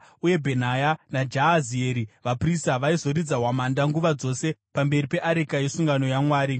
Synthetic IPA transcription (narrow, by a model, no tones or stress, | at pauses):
uje̞bʱe̞n̤ajanad͡ʒaːzieɾiʋapristaʋaizo̞ɾid͡zaɦwamandaŋɡuʋad͡zo̞se̞pambe̞ripe̞ʔaɾikajesuŋɡano̞jamwaːɾi